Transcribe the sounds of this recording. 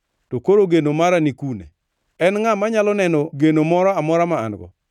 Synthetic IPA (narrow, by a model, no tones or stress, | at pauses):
tokoɾoɡenomaɾanikunḛ | ɛnŋamaɲalɔnɛnɔɡenomɔɾɔamɔɾama̰ːnɡɔ̰